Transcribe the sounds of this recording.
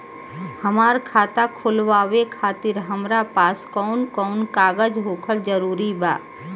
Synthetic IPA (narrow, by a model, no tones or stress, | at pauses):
həmaːɾkʰaːt̪akʰʊlʋaːʋekʰaːt̪ɪɾɦəmɾapaːskɔnkɔːnkaːɡəd͡ʒɦoːkʰəld͡ʒəɾuːɾiba̰ː